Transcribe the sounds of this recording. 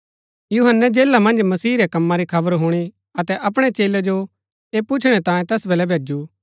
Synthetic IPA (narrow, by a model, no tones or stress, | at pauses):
juɦənːɛd͡ʒeːlamɐ̃nd͡ʒmɐsiːɾɛkɐmːaɾikʰɐbəɾɦuɽ̃i | ɐt̪ɛʔɐp̬ɽ̃et͡ʃeːlɛd͡ʒo | eːpʊt͡ʃʰɽ̃ɛt̪ãːjẽt̪ɛːsbeːlɛbʱeːd͡ʒu